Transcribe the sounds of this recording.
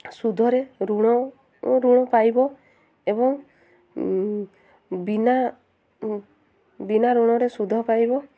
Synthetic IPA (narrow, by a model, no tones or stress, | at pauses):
sud̪ʱɔɾeɾuɽ̃ɔ | ɾuɽ̃ɔpajbɔ | eβɔŋ | bina | binaɾuɽ̃ɔɾesud̪ʱɔpajbɔ